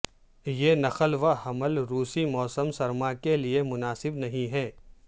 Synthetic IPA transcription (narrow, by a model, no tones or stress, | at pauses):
jenɐxəlʋahɐməlɾuːsimɔːsəmsɐɾmakeliemʊnaːsɪbnɐɦĩɦɛ̃ː